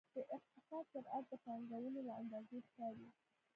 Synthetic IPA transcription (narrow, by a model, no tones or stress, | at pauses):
d̪̥əʔɪht̪ɪsɑd̪̚pəɾad̪̚d̪əpɑŋɡawənolaand̪ɑzexkɑwi